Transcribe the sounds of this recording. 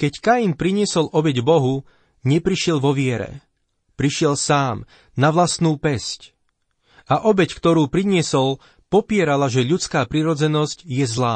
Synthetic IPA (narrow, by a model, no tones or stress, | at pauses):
kɛckajinpɾiɲɪɛsɔlʔɔbɛɟbɔɦu | ɲɛpɾiʃɪɛlʋɔʋɪɛɾɛ̰ | pɾiʃɪɛlsaːm | naʋlasnuːpɛsc | aʔɔbɛckt̪ɔɾuːpɾiɲɪɛsɔl | pɔpɪɛɾalaʒɛʎut͡skaːpɾiɾɔd͡zɛnɔscjɛzlaː